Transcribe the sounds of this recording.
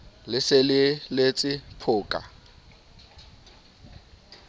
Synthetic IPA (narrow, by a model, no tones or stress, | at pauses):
lɪselɪlet͡sʼɪpʰʊːkʼa̰